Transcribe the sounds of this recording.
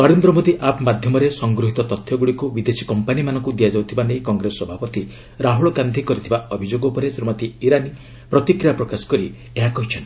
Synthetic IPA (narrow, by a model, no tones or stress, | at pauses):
nɔɾend̪ɾɔmod̪iʔapmad̪ʱjɔmɔɾesɔŋɡɾuɦit̪ɔt̪ɔt̪ʰːjɔɡuɽikubid̪esi̥kɔmpanimanɔŋkud̪iad͡ʒawt̪ʰibanejkɔŋɡɾesɔɔbʱapɔt̪i | ɾaɦuɭɔɡand̪ʱikɔɾit̪ʰibaɔbʱid͡ʒoɡɔupɔɾesɾimat̪iːɾani | pɾɔt̪ikɾijapɾɔkasɔ̥kɔɾi | eɦakɔɦit͡ʃʰɔni̥